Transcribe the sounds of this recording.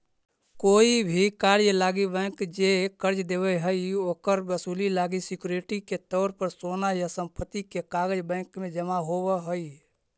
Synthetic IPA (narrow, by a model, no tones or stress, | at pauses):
koːibʱikaɾjəlaːɡibɛ̃kd͡ʒekəɾd͡ʒd̪ebɛɦəioːkəɾbəsuːlilaːɡisikjuɾeʈiket̪ɔːɾpəɾsoːnajasə̃mpət̪ikekaɡəd͡ʒbɛ̃kmẽd͡ʒəmaɦowəɦəi